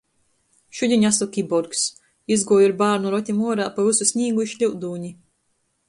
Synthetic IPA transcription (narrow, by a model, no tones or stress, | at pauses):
ʃudʲiɲasɔkʲibɔɾks | izɡuɔjuɾbaːɾnuɾɔt̪ʲimuɔɾaːpavususʲnʲiːɡuiʃʎʲiwd̪uːɲi